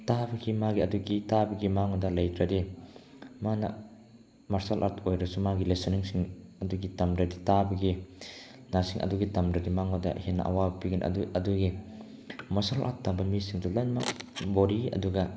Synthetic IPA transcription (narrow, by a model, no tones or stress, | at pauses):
tabɐɡimaɡiɐduɡitabɐɡimaŋɔdalɐjtɾadi | manɐ̰ | maɾsalʔa̰tʰojɾasumaɡilesɔniŋsiŋɐduɡitamdɾaditabɐɡi | nasiŋʔɐ̰duɡitamdɾadimaŋɔda̰hena̰ʔa̰wabpiɡinʔɐ̰uɐduɡi | mɐsalʔa̰t̚tabɐmisiŋtulanmabɔɾiɐ̰duɡɐ